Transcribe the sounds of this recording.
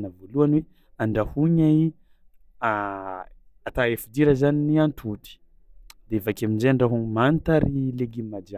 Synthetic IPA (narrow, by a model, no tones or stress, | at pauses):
nəvoluanwe | aɳɖ͡ʐahuɲai | at̪aefid̪iɾəzaniniant̪ʰut̪i̥ | d̪eevakaminzeɳɖ͡ʐaɦuŋmant̪aɾileɡimad͡ʒ̪a